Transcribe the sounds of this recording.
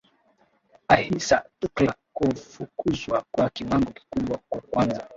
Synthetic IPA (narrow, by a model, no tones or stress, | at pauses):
ahisatuklakufukuzwakwakiwaŋɡɔki̥kuɓwakwakwanza